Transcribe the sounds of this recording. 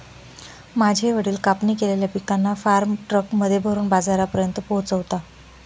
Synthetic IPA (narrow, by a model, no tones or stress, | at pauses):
mad͡ʑʱeʋəɽiːlkapniːkeleljapikanːafaɾmʈɾəkməd̪ʱːjebʱəɾuːnbad͡zaɾapəɾjənt̪əpoɦt͡səʋt̪a